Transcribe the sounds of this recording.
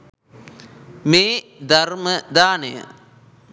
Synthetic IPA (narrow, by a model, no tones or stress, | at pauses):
meː | d̪ʱɐrməd̪aːnəjə̰